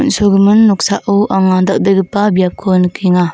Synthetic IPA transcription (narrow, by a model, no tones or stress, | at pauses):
unsoɡɯmɯnːɔk̚saʔɯwʔaŋand̪ak̚d̪ɯjɡɯpːabijap̚kʰonkʰiŋa